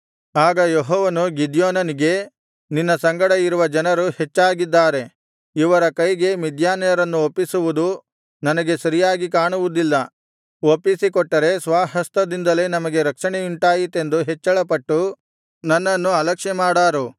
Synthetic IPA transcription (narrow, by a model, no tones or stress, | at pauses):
aːɡɐjoɦɔːʋɐnuɡid̪joːnɐniɡe̞ | ninːɐsɐŋɡɐɽɐiɾuʋɐd͡ʒɐnɐɾuhet͡ʃːaːɡid̪ːaːɾe̞ | iʋɐɾɐkɐjɡe̞mid̪jaːnɐjɐɾɐnːuopːisuʋud̪u | nɐnɐɡe̞sɐɾijaːɡikaːɳuʋud̪ilːɐ | opːisikɔʈːɐɾe̞sʋaːɦɐst̪ɐd̪ind̪ɐle̞nɐmɐɡe̞ɾɐkʂɐɳeuɳʈaːjit̪e̞nd̪uɦet͡ʃːɐɭɐpɐʈːu | nɐnːɐnːuɐlɐkʂɛmaːɽaːɾu